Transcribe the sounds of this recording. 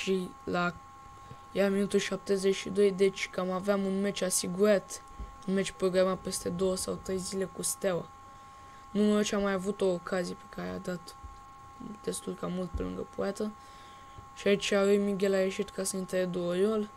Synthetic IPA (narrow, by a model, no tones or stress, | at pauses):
ʃila | jaminut̪ulʃap̚t̪e̞zeʃid̪o̞jd̪e̞t͡ʃʲkamaveamunme̞t͡ʃʲasiɡuɾat̪ | ɨnmet͡ʃʲpɾo̞ɡɾamape̞st̪e̞d̪o̞wəsawt̪ɾe̞jzile̞kust̪awa | numəot͡ʃamajavut̪o̞ːkʰazijepe̞̥kaɾea̰d̪at̪ | d̪e̞st̪ulkamult̪̚pe̞lɨŋɡəpuat̪ə | ʃiait͡ʃʲaɾujmiɡʲelajeʃit̪kasəint̪eed̪uojol